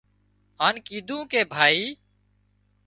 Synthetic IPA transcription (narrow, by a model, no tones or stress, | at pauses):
ɦaːnkiːd̪ʱũːkeːbʱaːiː